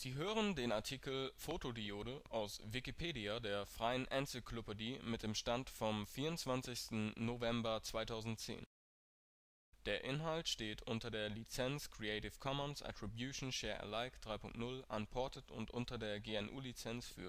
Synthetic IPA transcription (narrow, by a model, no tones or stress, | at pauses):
z̥iːɦøːʁəndeːnaɐtʰiːkl̩foːtʰodioːdəʔaʊsvɪkipʰeːdiadeːɐfʁ̥aɪənʔɛnsɪkʰlopədimɪt̚d̥eːmʃtantfɔmfiːɐʊntt͡sv̥ant͡sɪçstn̩nːovɛmbɐt͡sv̥aɪtʰaʊzn̩tt͡sḛːn | d̥eːɐʔɪnɦaltʃteːtʰʔʊntɐdeːɐlit͡sɛnskʁ̥iɛɪtɪfkʰɔmənsʔa̰tʁ̥ibjuːʃn̩ʃɛːɐʔɛ̰laɪkd̥ʁaɪpʰʊŋk̚tnʊlʔanpʰɔɐtətʊ̰ntʔʊntɐdeːɐɡeːɛnʔṵːlit͡sɛnsfy̰ːɐ